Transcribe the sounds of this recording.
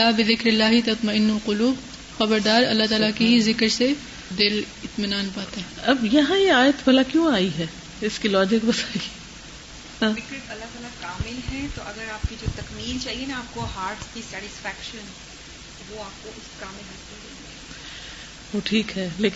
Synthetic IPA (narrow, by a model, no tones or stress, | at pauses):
aːbɪðɪkɾɪlːaːɦit̪ɐt̪mɐɪnːʊlqʊluːb | xɐbəɾd̪aːɾɐlːaɦt̪aːlakiɦizɪkɾse | d̪ɪl | ɪt̪mɪnaːnpaːt̪ɦɛɐbjɐɦãjeaːjət̪bʱɐlakjõaːiɦɛː | ɪskilɔːd͡ʒɪkbɐsaːi | hãːɪkɪʈɐlːaɦt̪aːlakaːmɪlɦɛ̃t̪oʔɐɡəɾaːp̚kid͡ʒoːt̪ɐkmiːlt͡ʃaːɦienaaːp̚koɦaːɾʈskisɛːʈɪsfɛːkʃən | ʋoaːp̚koʔɪskaːmɪlɦɐsɪd̪eː | ʋoːʈʰiːkɦɛːleːk